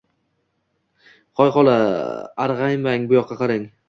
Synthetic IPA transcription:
qʰɒjqɒlˠaa̰ɾʁɑjmaŋbʊjɒqʰːɑqʰɑɾɪŋ

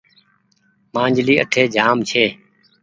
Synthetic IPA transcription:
mãːɲd͡ʒliːʔə̰ʈʰeːd͡ʒʱaːmt͡ʃʰeː

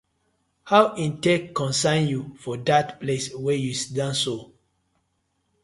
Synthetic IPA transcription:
hawĩntɛkkɔ̃nsãnjufɔdatpleswɛjusi̥dãnso

